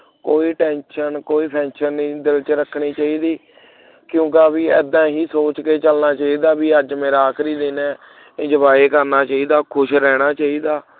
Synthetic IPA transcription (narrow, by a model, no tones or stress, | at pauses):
koːiːʈɛ̃ːnʃənkoːiːpʰɛ̃ːnʃənːiːd̪ɪlt͡ʃɾəkʰɽiːt͡ʃaːiːd̪iː | kjõːkːbiːɛːd̪ãːɦiːsoːt͡ʃkeːt͡ʃəlnaːt͡ʃaːiːd̪aːbiːəd͡ʒmeːɾaːkʰɾiːd̪ɪnɛ̃ː | d͡ʒəbaːeːkəɾnaːt͡ʃaːiːd̪aːkʰʊʃɾɛːɽ̃aːt͡ʃaːiːd̪aː